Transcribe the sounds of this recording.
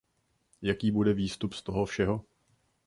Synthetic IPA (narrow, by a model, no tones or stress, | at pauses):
jakiːbudɛviːst̪upst̪o̞ɦofʃɛɦo̞